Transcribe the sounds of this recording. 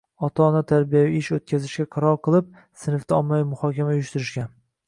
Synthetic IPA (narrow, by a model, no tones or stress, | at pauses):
ɒt̪ʰaːnat̪ʰaɾbijaviɪʃot̪̚kʲʰazɪʃɡʲaqʰɑɾɒɾqʰɨlˠɪp̚ | sɪnɪft̪aɒmːajɪmʊhɒkʲamaʊjʊʃt̪ɪɾɪʃɡʲan